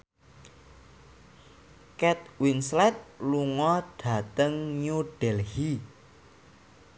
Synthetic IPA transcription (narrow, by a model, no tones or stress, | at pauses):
kɛt̪̚winslɛt̪̚luŋɔɖ̥a̤t̪əŋɲuɖ̥ɛlhi